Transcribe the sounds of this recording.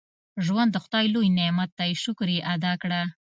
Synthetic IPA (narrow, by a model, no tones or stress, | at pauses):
ʒwand̪ːəxʊd̪ɑjlojnemat̪ːajeʃʊkɾiʔad̪ɑkɽa